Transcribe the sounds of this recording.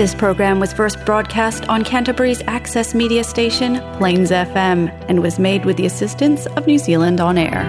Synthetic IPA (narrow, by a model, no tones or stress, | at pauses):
ðɪspʰɹ̥oʊɡɹæ̃mwʌz̥fɜ˞st̚b̥ɹɔd̚kʰæstn̩kʰæ̃ntɨbə˞izæksɛsmiɾiɨsteɪʃɨ̃npʰl̥ẽɪ̃nzɛfɛ̃m | ɨ̃nwʌzmeɪd̚wɨðiɨsɪstɨ̃ntsʌvnʉzilˠə̃ndn̩ɛ̰ɹ